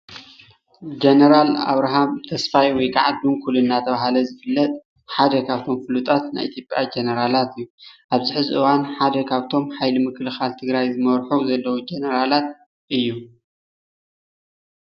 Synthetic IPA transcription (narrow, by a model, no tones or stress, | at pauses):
d͡ʒenɐɾala̰βɾaɦamt̪ʰɐsfajwɔjkʰaʕad̪unkʰulunːat̪ʰɐβaɦalɐzɨfɨlːɐt̪ʼ | ħad̪ɐkʰaβt̪ʰo̞mfɨlut̪ʼat̪na̰jʔḭt̪ʰjo̞pʼjad͡ʒenɐɾalat̪ɨjːuʔaβzɪħɨzʔɨwanħad̪ɐkʰaβt̪ʰo̞mħajlimɨkʰlɨxalt̪ʰɨɡɾajzɨmɐɾħuzɐlːɐwud͡ʒenɐɾalat̪̚ | ʔɨjːu